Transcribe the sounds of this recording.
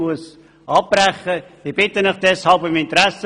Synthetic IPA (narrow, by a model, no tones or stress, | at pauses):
uəs | ɑp̚ːrɛχəɪb̥ɪtənəχd̥ɛshɑlbʏmɪntɾæsə